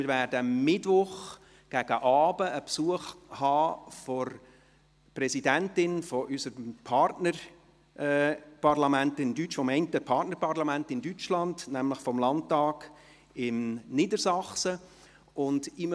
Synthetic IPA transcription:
mɪɾvæːɾdəmːɪtʋʊχ | ɡ̥æɡəʔɑːbəəpsuəχhɑːfɔɾ | prɛsidæntɪnfɔʔysəɾmpʰɑrtnə | ʔɛpɑrlɑmæntɪmdyt͡ʃfɔmɛɪntəpʰɑrtnəɾpʰɑrlɑmæntɪndyt͡ʃlɑndnæmləχfɔmlɑnttːɑːɡ | ɪmnɪdəɾsɑχsə | ʊndɪm

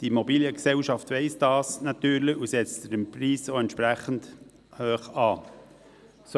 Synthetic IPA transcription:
d̥iimobiːljəksɛʊʃɑftʋɛɪsd̥ɑːsnɑt̪yːɾləusɛt͡stəɾəmpriːsoɛntʃpɾæχənd | høːχɑː | s

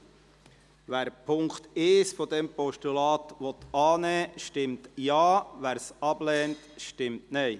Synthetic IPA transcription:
ʋæːɾpʰʊŋkt̪ɪsfɔd̪ɛmpɔʃtulɑːt̪ʋɔt̪ɑːnɛːʃtɪmtjɑːʋæːɾsɑblɛːntʃtɪmtnɛɪ

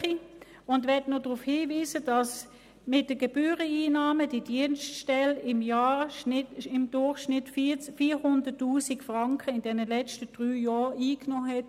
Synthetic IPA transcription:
i | ʊndʋɛɐtnodʁufhiːviːsədɑs | mɪt̚d̥əɡ̥eb̥yːʁəiːnɑːməd̥id̥iənstʃtɛlɪmjaːnɪɪmd̥ʊɐχʃnɪtffiːhʊndətːuːsikfʁɑŋkʰəɪndɛnəlɛt͡stəd̥ʁyːjɔːiːknoːɦɛt

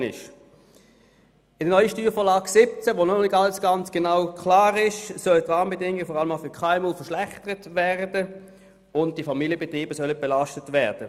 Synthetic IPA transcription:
nɪ̰ʃ | ɪdənɔʏəʃtyːʁfɔːʁlaːɡsɪp̚t͡sɛʋoːnɔlɪɡɑləsɡ̥ɑnt͡sɡ̥enaʊkʰlaːʁɪʃsœlətʁɑːməbedɪŋɪɡfɔʁɑləmaʊfʏɐkʰaɛmulfɛɐʃlæχtəʁətvæʁdə | ʊntd̥ifɑmiːljəbetʁiːb̥əsœləb̥elaʃtətvɛːʁd̥ə

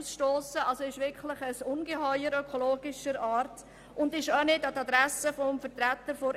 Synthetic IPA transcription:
sʃtoːsəɑlsoɪʃʋɪɾkʰlɪχəsʊnɡəɦœʏəɾœkʰoloːɡ̥ɪʃəɾɑːɾt | ʊndɪʃonɪdɑtɑd̪ɾæsəfɔmfəɾtɾæt̪əɾfoɾ

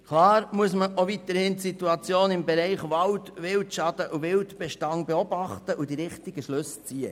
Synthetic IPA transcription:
kʰlɑːɾmuəsməʔoʋit̪əɾhɪntsit̪uɑt͡sjoːnɪmbɛɾɛɪχʋɑltʋɪltʃɑd̥əʔuʋɪltb̥ɛʃtɑŋbeɔbɑχtəʔud̥iɾɪχt̪ɪɡ̥əʃlʏst͡siːə̰

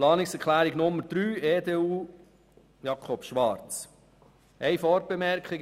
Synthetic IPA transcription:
lɑːnɪksɛkʰlæːɾɪɡnʊmːəɾd̥ɾyːeːdeːuː | jɑkʰɔpʃʋɑɾt͡s | æɪfɔɾ̚b̥emɛɾkχɪɡ

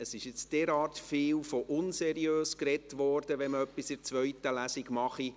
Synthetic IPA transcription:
əsɪʃjɪt͡sd̥ɛɾɑːrtfɪːlfoʔʊnsɛɾiøːskrɛtʋɔːrdəʋɛnməœpːisɪt͡sʋœɥtəlæsiɡmɑχi

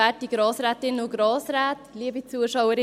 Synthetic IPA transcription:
æt̚diɡɾɑːsɾɛːt̪ɪnʊɡɾɑːsɾæːt̪liːəbit͡suəʃawəɾɪ

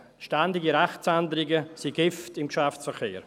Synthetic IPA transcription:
ʃtandɪɡiɾɛχt͡sandəɾɪɡəsiɡɪftɪmkʃaft͡ssfəɾkeːɾ

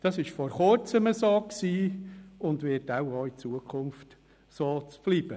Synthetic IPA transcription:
d̥ɑsɪʃfɔɾχʊɾt͡səməsoːkksiːʊndʋɪtaʊoːit͡suəkʰʊmft | soːt͡sblib̥ə

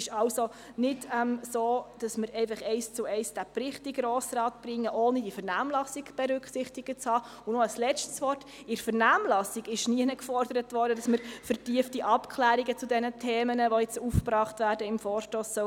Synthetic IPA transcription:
ɪʃɑwso | nɪdɛmsoːd̥ɑsməɾɛɪfɑχɛɪst͡sʊɛɪsd̥æprɾɪχtɪɡɾoːsɾɑːtb̥ɾɪŋːəʔoːnədifɛɾnæːmlɑsiɡb̥ɛɾʏkχsɪχtɪɡət͡shɑː | ʊnɔəslɛt͡ʃtsʋɔrt | ɪɾfəɾnæːmlɑsiɡɪʃniənəkfɔrdəɾətʋɔɾdədɑsməɾfəɾtiəftiʔɑpkʰlæːɾiɡət͡sudɛnətʰeːmənəʋojɛt͡sufpɾɑːχtʋæːɾdəɪmfɔːɾʃtoːsːœ

